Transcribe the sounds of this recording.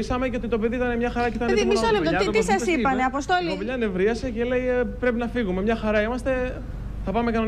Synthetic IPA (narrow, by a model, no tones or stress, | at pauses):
isɐmeceot̪it̪o̞peðiit̪ɐnemɲɐxɐɾɐeit̪ɐneimionet̪ot̪isɐsipɐneɐpost̪olimɲɐne̞vɾiɐse̞ce̞le̞jpɾe̞pinɐfiɣume̞mɲɐxɐɾɐimɐst̪e̞ | θɐpɐmekɐno